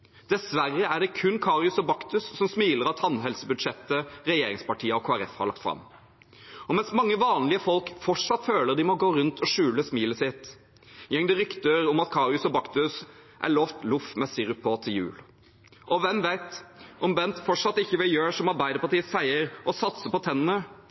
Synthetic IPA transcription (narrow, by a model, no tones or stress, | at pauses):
d̪̥ɛsʋæɾːəæɖɛkʰʉnːkʰɑːɾjʉsɔbɑkt̪ʉsːɔmsmiːləɾɑt̪ʰɑnːɦɛlsəbʉd̪ʂɛt̪ːəɾɛjeːɾɪŋspɑʈʰiːəɔkʰoːæɾɛ̰fhɑ̰ɾɭɑ̰k̚t̪fɾɑ̰m | ɔmɛnsmɑŋːəʋɑːnlɪəfɔlkfɔʈʂɑt̪ːføːləʁd̪ɪmɔɡoːɾʉnt̪ʰɔʂʉːləsmiːləsɪt̪ː | jɛŋːəd̪ɛɾʏkt̪əɾɔmɑt̪kʰɑːɾɪʉsɔbɑkt̪ʉs | ʔæ̰ɭoːft̪lʊfmɛsɪɾʊpʰoːt̪ʰɪjʉ̰ːl | ʔɔʋɛmʋæɪt̪ʔɔmbɛnt̪fɔʈʂɑt̪ːɪçːəʋɪjøːʂɔmɑɾbæɪd̪əpɑʈ̪iːəsæɪəɾʔɔsɑt̪səpɔt̪ʰɛnːənə